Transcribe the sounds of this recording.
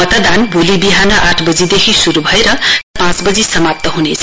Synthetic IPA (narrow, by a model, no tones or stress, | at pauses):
ʌt̪ʌd̪anbʱolibiɦanʌʔaʈʰbʌd͡zid̪ekʰisuɾubʱʌeɾʌpãt͡sbʌd͡zisʌmap̚t̪ʌɦunet͡sʰʌ